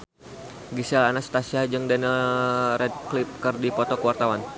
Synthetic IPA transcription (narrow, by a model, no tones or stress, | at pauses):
ɡisɛlanast̪asiad͡ʒɨŋdɛnəlrɛd̚klɪp̚kərdipɔt̪ɔkəwart̪awan